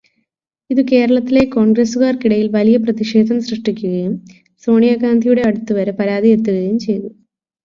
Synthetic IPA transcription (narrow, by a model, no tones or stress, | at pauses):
iðuke̞ːɾɐɭɐt̪ːile̞koːɳɡresuɣaːrkiɽɐjilʋɐlijɐprɐðiʂe̞ːd̪ʱɐmsrɨʂʈikʲːuɣɐjum | so̞ːɳijaːɣaːnd̪ʱijuɽe̞ɐɽut̪ːuʋɐɾepɐɾaːd̪ie̞t̪ːuɣɐjumt͡ɕe̞jt̪u